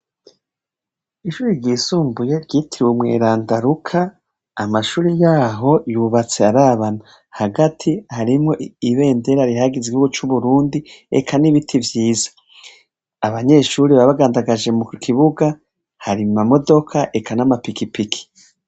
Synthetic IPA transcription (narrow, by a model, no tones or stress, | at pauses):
iʃuːɾiɾɟiːsuːmbujeɾɟiːtʰiɾiwemŋe̞̰ːɾaːndaɾukʰaː | maʃuːɾijaːɦo̞juβat͡se̞aɾaːβana | haɡatʰihaɾimŋo̞ʔiβe̞ːnde̞ɾaɾiɦaɡiziɡihuɡut͡ʃuβuɾuːndiḛkʰaniβitʰivjiːzḁː | βaɲe̞ʃuːɾiβaβaɡaːndaɡaʒe̞mukʰiβuɡa | haɾimamo̞do̞kʰaʔe̞kʰanamapikipikʰi̥